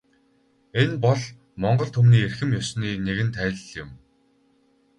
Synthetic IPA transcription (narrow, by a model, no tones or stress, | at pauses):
enpɔɮ | mɔɴɢɞ̆ɮt̪ʰɵumniːerxɘ̆mjɔsniːneɣɘ̆nt̪ʰæːɮ̆ɮjɪ̆m